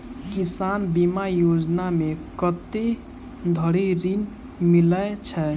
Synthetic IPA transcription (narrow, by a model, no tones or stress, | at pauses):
kisanbimajod͡ʒnamekət̪e | d̪ʱəɽiɾin | milət͡ʃʰɛ